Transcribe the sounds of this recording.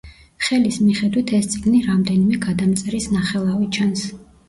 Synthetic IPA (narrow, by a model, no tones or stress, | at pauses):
χɛlismiχɛd̪wit̪ʰɛst̪sʼiɡniɾamd̪ɛnimɛɡad̪amt̪sʼɛɾisnaχɛlˠavit͡ʃʰans